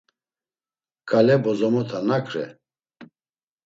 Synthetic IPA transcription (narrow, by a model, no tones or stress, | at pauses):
kʰʼalɛbɔzɔmɔt̪ʰanakʰɾɛ̰